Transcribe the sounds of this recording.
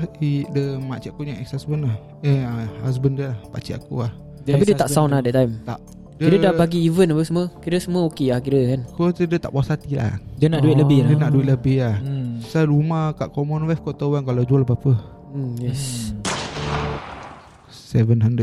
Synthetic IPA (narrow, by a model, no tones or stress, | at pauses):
idəmat͡ʃiʔakuɲãŋʔɛksasbənah | eəhas̬bəndiəlahpat͡ʃiʔakuah | t̪apidiət̪aʔsawnlahdɛt̪ːajmt̪aʔ | kdiəɾədabaɡiːvənapəsəməkiɾəsəməokeahkiɾəkankot̪ədət̪a̰ʔpuasat̪ila̰diənaʔduiʔ̪ləbɪldənaʔduit̪ləbɪhahsaɾumahkaʔkɔmɔnwɛfkot̪əwankalad͡ʒualpapə | jɛs | ə | sɛvənɦandə